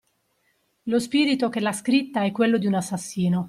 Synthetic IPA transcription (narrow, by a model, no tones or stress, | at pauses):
lospiːɾit̪ok̟elːaskɾit̪ːaɛkːwelːod̪iunasːasːiːno